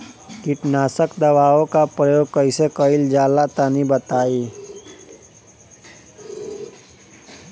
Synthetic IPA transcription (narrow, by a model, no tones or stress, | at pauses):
kɪʈnaːsəkd̪əʋaːõkapɾəjoːɡ̚kəɪsekəɪld͡ʒaːlat̪anibət̪aːiː